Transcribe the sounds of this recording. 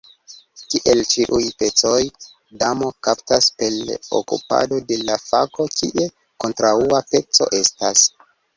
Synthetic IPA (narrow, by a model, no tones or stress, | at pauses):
kiʔelt͡ʃiʔujpe̞t͡so̞j | damo̞kaptaspelo̰kṵpa̰do̞de̞lafa̰ko̞kiʔe̞ | ko̞ntɾauape̞t͡so̞̰ʔe̞stas